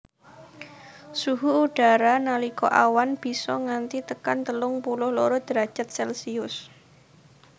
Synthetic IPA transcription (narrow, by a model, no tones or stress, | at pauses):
suɦuːɖ̥a̤ɾanalikɔ̰ʔawanb̥i̤sɔŋant̪it̪əkant̪əlʊŋpulʊhloɾɔd̪̥ɾḁʒ̥a̤t̪̚sɛlsiʊs